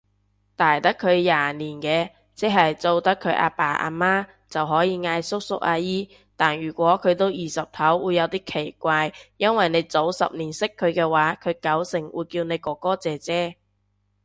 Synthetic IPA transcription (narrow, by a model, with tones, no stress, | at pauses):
t̪aː˨˩jt̪ɐ˥kʰːɵ˨˧ɥjaː˨niː˨˩nkɛː˧ | t͡sɛ˥ɦɐ˨jt͡so˧wt̪ɐ˥kʰːɵ˨˧ɥʔa̰ː˧paː˨˩ʔa̰ː˧maː˥ | t͡sɐ˨wɦɔː˨˥jiː˨˧ŋaː˧jsʊ˥k̚sʊ˥k̚ʔaː˧jiː˥ | t̪aː˨˩njyː˨˩kʷɔː˨˥kʰɵ˨˧ɥt̪o˥wjiː˨sɐ˨p̚t̪ʰɐ˨˥wwuː˨˧jːɐ˨˧wt̪iː˥kʰe˨˩jkʷaː˧jjɐ˥nwɐ˨jne˨˧jt͡so˨˥wsɐ̰˨p̚niː˨˩nsɪ˥kʰːɵ˨˧ɥkɛː˧waː˨˥kʰɵ˨˧ɥkɐ˨˥wsɪ˨˩ŋwʔṵː˨˧jkiː˧wne˨˧jkɔː˨˧˥kɔː˥t͡sɛː˨t͡sɛː˥